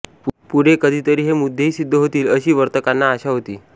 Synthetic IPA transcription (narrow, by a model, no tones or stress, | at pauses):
puɽ̤ekəd̪ʱiːt̪əɾiːɦemud̪ʱːeɦiːsid̪ʱːəɦot̪iːləɕiːʋəɾt̪əkanːaːɕaɦot̪iː